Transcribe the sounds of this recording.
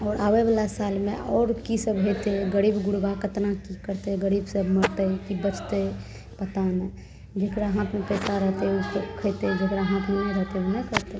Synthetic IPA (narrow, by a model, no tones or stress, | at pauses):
ɔːɾʔawebalasalmḛ̃ɔːɾkisəbɦet̪eɡəɾibɡuɽɡakət̪nakikəɾt̪eɡəɾibsəbməɽt̪əkibət͡ʃʰt̪e | pət̪ane | d͡ʒekɽaɦãt̪mepɛsaɾəɦt̪eusəbkʰəɪt̪ed͡ʒekɽaɦãt̪menaɾəɦt̪eunəkʰət̪e